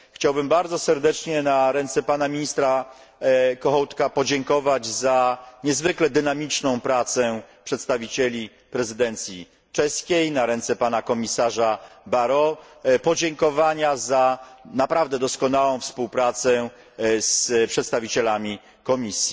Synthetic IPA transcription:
xt͡ɕawbɘmbaɾdzɔsɛɾd̪ɛt͡ʂɲɛnaɾɛnt̪sɛpanamʲiɲist̪ɾa | kɔxɔwt̪kapɔd͡ʑɛŋkɔvad͡ʑzaɲɛzvɘklɛd̪ɘnamʲit͡ʂnɔ̃w̃pɾat̪sɛpʂɛt̪st̪avʲit͡ɕɛlʲi | pɾɛzɘd̪ɛnt̪sʲji | t͡ʂɛskʲejnaɾɛnt̪sɛpanakɔmʲisaʐabaɾɔ | pɔd͡ʑɛŋkɔvaɲazanapɾavd̪ɛd̪ɔskɔnawɔ̃w̃fspuwpɾat̪sɛ | spʂɛt̪st̪avʲit͡ɕɛlamʲi | kɔmʲisʲji

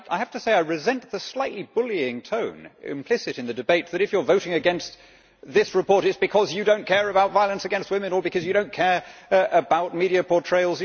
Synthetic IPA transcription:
a̰ɪhæftɨseɪaɪɹɨzɛ̃nt̪̚ðəslaɪʔˡlibʊlˠiɪ̃ŋtʰõʊ̃nɪ̰̃mpʰl̥ɪsɨɾɨ̃nðɨdɨbeɪt̪̚ðɨɾɨfjə˞voʊɾɪ̃ŋɨɡɛ̃nst̪ | ðɪsɹɨpʰɔɹɾɨtsb̥ɨkʰʌzjɨdõʊ̃nkʰɛɹɨbaʊtvaɪlˠə̃nsɨɡɛ̃nst̚wɪ̃mɨ̃nə˞bɨkʰʌzjɨɾõʊ̃nkʰɛɹəbaʊt̚miɾiɨpʰɔɹtʰɹ̥eɪlˠz

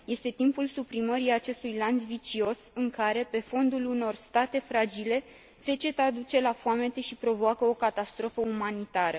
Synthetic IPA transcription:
je̞st̪e̞t̪impulsupɾiməɾiat͡ʃe̞st̪ujlant̪svit͡ʃio̞sɨŋkaɾe̞pe̞fo̞nd̪uluno̞rst̪at̪e̞fɾad͡ʒile̞ | se̞t͡ʃe̞t̪ad̪ut͡ʃe̞lafoame̞t̪e̞ʃipɾo̞voakəo̞kat̪ast̪ɾo̞fəumanit̪aɾə

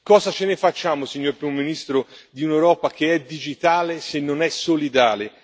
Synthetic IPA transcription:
kɔːzat͡ʃenefat͡ʃːaːmosiɲːoɾpɾimominist̪ɾod̪iunewɾɔːpak̟eɛd̪id͡ʒit̪aːlesenːonɛsolid̪aːle

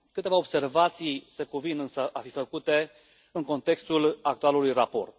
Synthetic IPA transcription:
kɨt̪e̞vaobse̞rvat̪sijsekuvinɨnsəʔafifəkut̪e̞ | ɨŋko̞nt̪e̞kst̪ulak̚t̪ualulujrapo̞̰rt̪

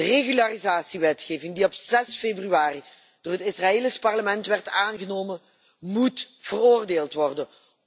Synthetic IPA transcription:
əreɣylarizaːsiʋɛtxeːvɪŋdiɔpz̥ɛsfeːbryaːri | d̥oːrɦətɪsraeːlɪspɑrləmɛntʋɛrtaːnɣənoːmən | mutv̥əroːrdeːlˠtʋɔrdən

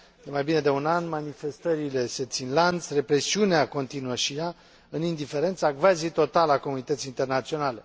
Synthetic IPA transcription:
jemajbine̞d̪e̞unanmanife̞st̪əɾile̞se̞t̪sinlant̪sʲre̞pɾe̞siuneako̞nt̪inuəʃija | ɨnind̪ife̞ɾe̞nt̪saɡvazejt̪o̞t̪alako̞munit̪ət̪siːnt̪e̞rnat̪sio̞nale̞

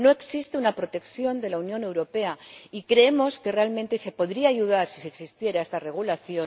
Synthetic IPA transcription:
no̞eksist̪eunapɾo̞t̪e̞kθjo̞nd̪e̞launjõ̞ne̞wɾo̞pe̞aikɾe̞emo̞ske̞re̞almẽnt̪e̞se̞po̞ðɾiaːʝuðaɾsiseksist̪je̞ɾae̞st̪are̞ɣ̞ulaθjo̞

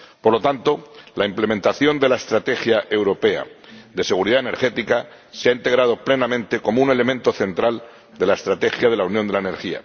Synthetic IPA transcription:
po̞ɾlo̞t̪ant̪o̞laimplement̪aθjo̞nd̪e̞lae̞st̪ɾat̪e̞xjaʔe̞wɾo̞pe̞a̰ðe̞se̞ɣuɾiðaene̞ɾxe̞t̪ika | seaint̪e̞ɣɾað̞o̞ple̞namẽnt̪e̞ko̞moune̞le̞mẽnt̪o̞θe̞nt̪ɾal | d̪e̞lae̞st̪ɾat̪e̞xjaðe̞launjond̪elaeneɾxia̰

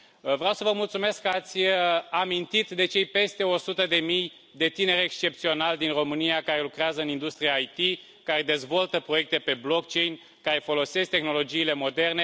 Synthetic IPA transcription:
vɾeawsəvəmult̪sume̞skːəat̪sʲamint̪it̪d̪e̞t͡ʃe̞jpe̞st̪e̞o̞sut̪əd̪e̞mij | d̪e̞t̪ine̞ɾekst͡ʃe̞p̚t̪sio̞nald̪inro̞mɨnijakaɾe̞lukɾeazəɨnind̪ust̪ɾiaːjt̪i | kaɾe̞d̪e̞zvo̞lt̪əpɾoje̞k̚t̪e̞pe̞blo̞kt͡ʃe̞jnʲ | kaɾe̞fo̞lo̞se̞sk̚t̪e̞xno̞lo̞d͡ʒiːle̞mo̞d̪e̞rne̞

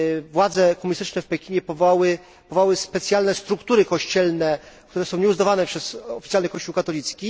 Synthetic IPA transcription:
vwad̪zɛkɔmuɲist̪ɘt͡ʂnɛfpɛkʲiɲɛpɔvawɘ | pɔvawɘspɛt̪sʲjalnɛst̪ɾukt̪uɾɘkɔɕt͡ɕɛlnɛkt̪uɾɛsɔ̃w̃ɲɛuzd̪avanɛpʂɛz̥ɔfʲit̪jalnɘkɔɕt͡ɕuwkat̪ɔlʲit̪skʲi

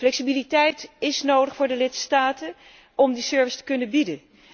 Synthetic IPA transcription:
flɛksibilitɛjtɪsnowdəχfʊːɹdəlɪtstaːtən | ɔmdisøɹvɪstə̥kɵnəbidən

